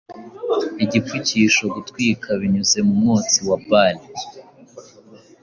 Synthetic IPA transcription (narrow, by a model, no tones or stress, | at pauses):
iɟifuciʃo̞ɡutwiːkʰaβiɲuze̞mumŋuːt͡siwabali